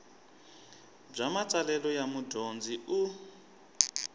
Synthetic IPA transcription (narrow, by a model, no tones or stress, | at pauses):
b͡ʐamat͡salɛlɔjamudond͡ziu